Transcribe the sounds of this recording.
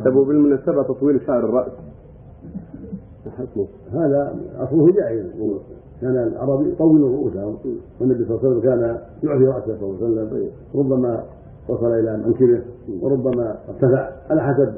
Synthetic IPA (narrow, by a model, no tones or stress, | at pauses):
t̪abubɪlmʊnaːsabat̪ɑt̪ˤwiːlʃaʕɾˤɨrˤːɑʔs | aħasu | haːðaʔɑ̰sˤlʊhd͡ʒaːʔɪzw | kaːnalʕɑ̰ɾˤɑːbit̪ˤɑwiːlrˤʊʔuːsahʊmwanːabisˤɑlːasalːamkaːna | jʊʕt̪iɾˤɑʔsahsˤɑlːsalːam | wɾˤʊbːama | wɑsˤɑlʔɪlamaŋkɪlɪhwɾˤʊbːamaɪbt̪afaʕʔalaħas̬ab